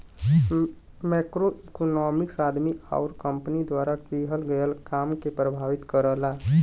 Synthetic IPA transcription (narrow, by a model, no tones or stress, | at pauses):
mɛːkɾoikonɔːmɪksaːd̪ʱmia̰ːɾkə̃mpnid̪waːɾaʈiːɦəlɡəjəlkaːmkepɾəbʱaːʋɪt̪kəɾəlaː